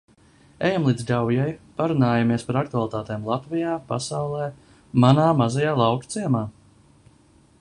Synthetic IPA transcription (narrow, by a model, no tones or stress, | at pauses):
ɛjamlˠiːd̪zdawjajpaɾunaːjamiɛspaɾakt̪ualˠit̪aːt̪eːmlˠat̪vijaːpa̰sawlˠɛː | manaːmazajaːlˠawkt̪siɛmaː